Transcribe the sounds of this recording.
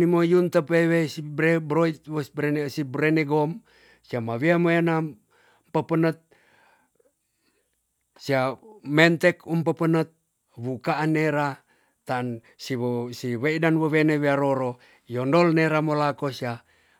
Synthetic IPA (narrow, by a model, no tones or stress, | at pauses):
nimojunt̪əpewesibebɾoit̪̚wobensibɾeneɡɔm | siamawiamoena | mpəpənət̪̚ | siamɛnt̪ɛkumpəpənət̪̚ | βukaːnːeɾa | t̪an | sisiweidanwəweneweaɾoɾo | jɔndɔlneɾamolakosia